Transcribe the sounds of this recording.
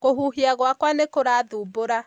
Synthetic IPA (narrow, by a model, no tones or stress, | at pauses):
koɦuɦiaɣwakwanekoɾaːðuːboɾa